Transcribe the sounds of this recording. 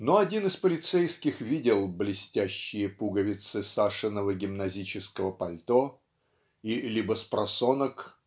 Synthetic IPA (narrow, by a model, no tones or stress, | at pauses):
noɐdʲinɨspəlʲɪt̪sɛjskʲɪxvʲidʲɪlˠblʲɪsʲtʲæɕːɪjəpuɡəvʲɪt̪sɨsaʂɨnəvəɡʲɪmnɐzʲit͡ɕɪskəvəpɐlʲt̪o | ilʲibəspɾɐsonək